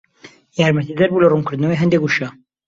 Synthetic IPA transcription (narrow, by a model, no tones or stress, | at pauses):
jaːɾmɐt̪id̪ɐɾbuːlɐrumkɨɾd̪nɐwejɦɐnd̪ekuʃɐ